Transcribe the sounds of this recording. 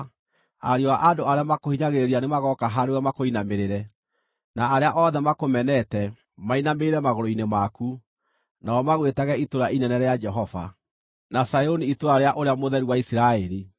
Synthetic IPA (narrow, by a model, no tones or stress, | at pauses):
a̰ɾeoaʔadoaɾeamakohiɲaɣeɾeɾianemaɣɔkaɦaɾewɛmakoinameɾeɾɛ | naːɾeaʔɔðɛmakomɛnɛtɛ | mainameeɾɛmaɣoɾoinemaku | naɔmaɣwetaɣɛitoɾaʔinɛnɛɾead͡ʒɛɦɔva̰ | nasajoniitoɾaɾeaʔoɾeamoðɛɾiwaisiɾaɛɾi